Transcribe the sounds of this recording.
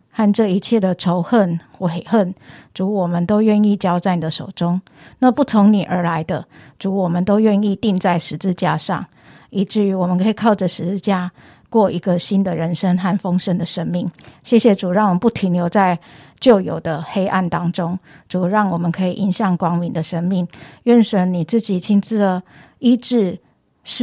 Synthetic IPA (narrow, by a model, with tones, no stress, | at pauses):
ha˥˧nʈ͡ʂɤ˥˧i˧˦t͡ɕʰjɛ˥˩d̪ə˩ʈ͡ʂʰo˧˥ʊxə˥˩˨nxwɔ˥˩e˨˩ɪxə˥˩nʈ͡ʂu˧˥wɔ˨˩mə˨˦nt̪o˥ʊɥɛ˥˧ni˥˩t͡ɕjɑ˥ʊt͡sa˥˩ni˨d̪ə˩ʂo˨˩ʊʈ͡ʂʊ˥˦ŋ | na˥˧pu˥˩t͡sʰo˧˥ŋni˨˩ʔə˞˧˥la˧˦ɪd̪ə˧ʈ͡ʂu˧˥wɔ˨˩mə˨nt̪o˥ʊɥɛ˥˧ni˥˧t̪i˥˧ŋt͡sa˥˩ɪʂɻ̩˧˥t͡sɹ̩˥˧t͡ɕja̰˥˧ʂɑ̰˥˩ŋ | i˧˥ʈ͡ʂɻ̩˥˩y˧˥wɔ˨mə˨˦kʰɤ˧˥i˨˩kʰɑ˥˩ʊʈ͡ʂə˨ʂɻ̩˧˥t͡sɹ̩˥˧t͡ɕja˥˧ | kwɔ˥˩ʔi˧˥ɡə˨ɕi˦nd̪ə˨ɻə˧˥nʂə˥ŋxa˥˩nfɤ˥ŋʂə˥ŋd̪ə˨ʂə˥nmi˥˩ŋɕjɛ˥˩ɕjɛ˨˩ʈ͡ʂu˨˩ɻɑ˥˩ŋwɔ˨˩mə˨˦pu˥˩t̪ʰi˧˥nljo˧˥ʊt͡sa˥˧ɪ | t͡ɕjo˥˩ʊjo̰˨˩ʊd̪ə˦xe˥ɪʔa̰˥˩nt̪ɑ˥ŋʈ͡ʂʊ˦ŋ | ʈ͡ʂu˨˩ɻɑ˥˩ŋwɔ˨˩mə˨˦nkʰɤ˧˥i˨ʔi˧˥nɕjɑ˥˩ŋkwɑ˥ŋmi˨˦nd̪ə˨ʂə˥nmi˥˩ŋɥɛ˥˩nʂə˨˧˩ni˨˩t͡sɹ̩˥˩t͡ɕi˨˩t͡ɕʰi˧˥nt͡s̩˥˩ə˨˩ | i˥ʈ͡ʂɻ̩˥˩ | ʂ